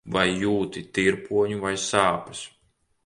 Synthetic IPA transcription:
vajːuːt̪it̪iɾpuɔɲuvajsaːpɐ̥s

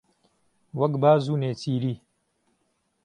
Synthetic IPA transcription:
wɐɡbaːzuːneːt͡siːɾiː

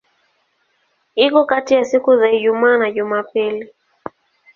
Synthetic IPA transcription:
ikɔkatijasikuzaiʄumaːnaʄumapili

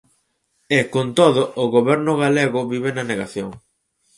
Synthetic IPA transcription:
ɛkont̪oðʊʊɣoβɛɾnʊɣaleɣʊβiβenɐneɣaθjoŋ

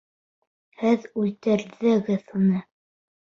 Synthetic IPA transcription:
hɘðʉlt̪ɘ̆ɾðɘ̆ɡɘðhunɤ

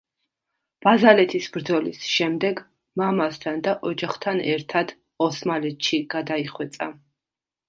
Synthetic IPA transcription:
b̥azalɛt̪ʰisbɾd̪zɔlḭsʃɛmd̪ɛɡ | mamast̪ʰand̪aʔɔd͡ʒaχt̪ʰanɛɾt̪ʰad̪ | ɔsmalɛt̪ʃiɡ̥ad̪aiχwɛt̪sʼa̰

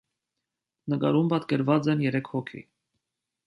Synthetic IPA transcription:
nəkɑ̰ɾumpɑt̪kɛɾvɑt͡sɛnjɛɾɛkʰhɔkʰḭ

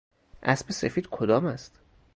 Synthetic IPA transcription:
ʔæsbese̞fiːd̪kʰod̪ɒːmæst̪

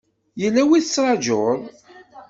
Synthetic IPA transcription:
jəlːæwiθət͡sːɾˤɑd͡ʒoɾˤ

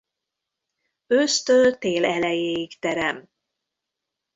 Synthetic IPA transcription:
øːst̪øːlt̪eːlɛlɛjeːjikt̪ɛɾɛm

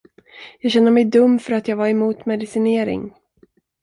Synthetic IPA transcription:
jɑːɡɕɛnd̪əmɛjd̪ɵmːfœɾat̪jɑːɡvaɾɛmuːt̪mɛd̪ɪsɪneːɾɪ̰ŋ

